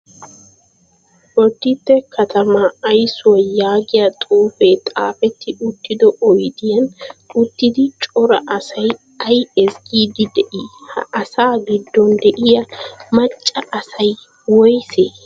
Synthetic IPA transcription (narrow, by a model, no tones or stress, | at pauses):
wɔd̪ːɪt̪ːɛkʰɐt̪ʰɐmɐːjsʊwɐjaːɡɪjɐt̪ʼuːfet̪ʼa̰ːfɛt̪ːɪʔʊt̪ːɪd̪ɔʔɔjd̪ɪjɐnʊt̪ːɪd̪ɪt͡ʃʼɔɾɐʔɐsɐj | ɐjɛsɡiːd̪ɪd̪ɛʔihɐ̰ʔɐsaːɡɪd̪ːɔnd̪ɛʔɪjɐmɐt͡ʃʼːɐʔɐsɐj | wɔjseː